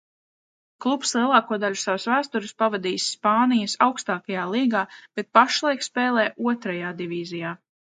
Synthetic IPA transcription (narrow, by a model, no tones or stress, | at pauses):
klˠupslˠiɛlˠɑːkuɔd̪aʎʲusavʊsvæːst̪uɾɪspavad̪iːsːpaːnijɐsawkst̪aːkajaːlˠiːɡaːb̥et̪̚paʃlˠajkspeːlˠɛːʔuɔt̪ɾajaːd̪ivʲiːzijaː